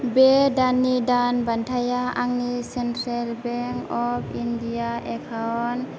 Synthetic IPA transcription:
bedanidanbantʰajaaŋnisɛntɾalbɛŋkɔp̚ʰindiaʔɛkʰawn

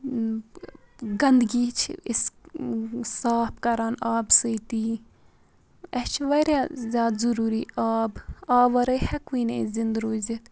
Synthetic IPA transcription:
ɡɐnd̪ɡiːt͡ʃʰis | saːpkɐɾaːnaːbsəjt̪iː | ɛht͡ʃʰʋɐɾjaːzʲjaːd̪zuɾuːɾiːaːbaːʋɐɾəjhɛkʋiːneizind̪ɾoːzit̪

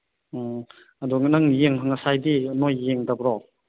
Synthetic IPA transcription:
aduŋnaŋjeŋɦaŋasajdinojːeŋdabɾɔ

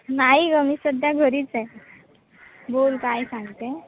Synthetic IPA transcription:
naɦiɡəmisəd̪ʱjaɡʱəɾiːt͡sɛ | bolkajsãŋɡt̪e

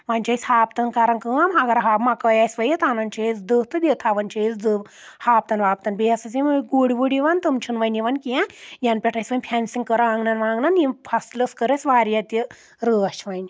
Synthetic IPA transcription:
ʋanʲt͡ʃɐjsʲhaːp̚t̪ɐnkaɾɐnkəmɐɡɐɾɦaːbmakəjasʲʋɐjit̪aːnɐnt͡ʃʰɐisd̪ɨt̪ɨd̪ʲet̪ʰaʋɐnt͡ʃʰiit͡sd̪ɨ | haːp̚t̪ɐnʋaːp̚t̪ɐnbiɐsɐt͡simɡuɽiʋuɽiʋɐnt̪ɨmt͡ʃʰunʋɐjniʋɐnkiãjɐnpʲeʈʰɐjsʲʋɐnʲpʰʲansiŋkəɾɐaːŋɡnɐnʋaːŋɡnɐnjipʰɐslɐskəɾɐsʋaːɾijɐt̪i | ɾəːɐt͡ʃʰʋɐnʲ

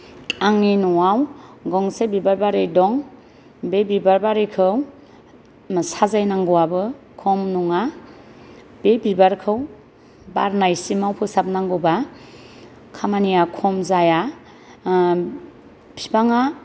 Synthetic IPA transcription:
aŋninɔawɡɔŋsebibaɾbaɾejdɔŋ | bebibaɾbaɾijkʰɯw | msazajnaŋɡɔwabɯ | kʰɔmnɔŋa | b̥ebibaɾkʰɯw | ba̰ɾnajsimawpʰɯsap̚naŋɡɯba | kʰamanijakʰɔmzaja | pʰibaŋa

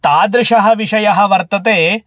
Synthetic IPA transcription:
t̪aːd̪ɾɪɕɐɦɐ̆ʋiɕɐjɐɦɐ̆ʋɐɾt̪ɐt̪eː

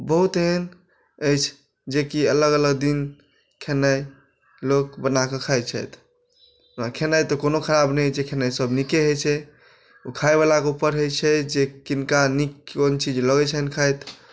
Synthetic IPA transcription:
bəɦut̪ɦɛn | ət͡ʃʰ | d͡ʒekiələɡələɡd̪in | kʰenaj | lok̚bənakəkʰajt͡ʃʰɛ̰t̪ | akʰenajt̪ɔkonokʰəɾabnəjd͡ʒekʰenajsəbnikeɦejt͡ʃʰɛ | ukʰajβalakeupəɾɦəjt͡ʃʰɛd͡ʒekinkanikːont͡ʃid͡ʒləɡɛt͡ʃʰəɦnkʰajt̪

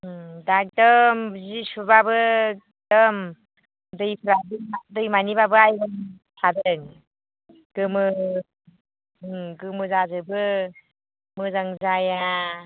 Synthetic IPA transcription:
dak̚dɯmzisubabɯ | d̥ɯm | dɯjpʰɾadɯdɯjmanibabɯajbɔm | sʰadɯŋ | ɡ̥ɯmɯ | ɡɯmɯzazɯbɯ | mɯzaŋzaja

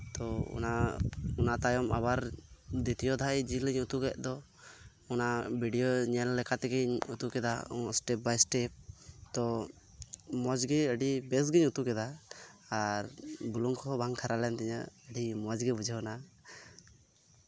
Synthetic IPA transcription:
t̪ɔṵnaunat̪ajɔma̰βaɾd̪it̪ijɔd̪ʱajd͡ʒiləɲut̪uɡɛʔ̚ˀd̪ɔ | ɔnabʱiɖijoɲɛlːɛkat̪ɛɡiɲut̪ukɛd̪a̰ɔsʈɛp̚bajsʈɛp̚t̪ɔ | mɔd͡ʒɡɛəɖibɛs̬ɡiɲut̪ukɛd̪aː | ɾbuluŋkʰɔbʱaŋkʰaɾalɛnt̪ɛɲa̰əɖimɔd͡ʒɡɛbud͡ʒʱəɦna

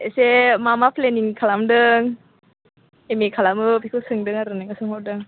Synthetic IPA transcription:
esemamapʰleniŋkʰalamdɯŋ | emikʰalamɯpʰikʰɯsɯŋdɯŋaɾɯnaŋasɯŋɔw̚dɯŋ

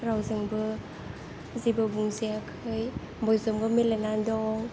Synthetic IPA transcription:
ɾawzɯŋbɯ | zibɯbuŋzijakʰɯj | bɔjzɯmɡɯmilenandɔŋ

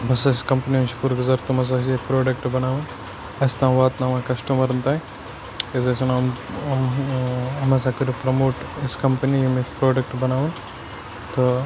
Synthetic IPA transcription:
bɐsɐskɐmpɐniunt͡ʃʰpuɾɡʊzaːɾt̪ɐmɐs̬aːsieːk̚pɾoːɖɐkʈbɐnaːʋun | ɐst̪ãːʋaːt̪naʋãːkɐsʈumɐɾɐnt̪aːĩ | ezɐsunɐmm | ɐmɐs̬aːkɐɾupɾɐmoːʈeskɐmpɐnijimekpɾoːɖɐk̚ʈbɐnaːʋun | t̪o

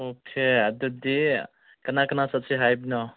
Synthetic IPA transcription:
okʰead̪ud̪i | kɐnakɐnasʌt͡sʰiɦajbnɔ

